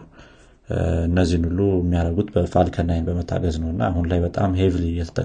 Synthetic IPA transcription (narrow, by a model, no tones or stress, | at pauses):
ɨnːəzːihnulːuəmːijaɾəɡut̪ʼbəfalkʰənːajnbəmət̪ʰːa̰ɡəznəwɨnːaːɦhunlajbət̪ʼamɦevlijɛt̪ʰə̥t̪ʼə̰